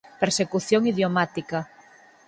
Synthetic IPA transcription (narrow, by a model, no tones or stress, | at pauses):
peɾsekuθjoŋiðjomat̪ika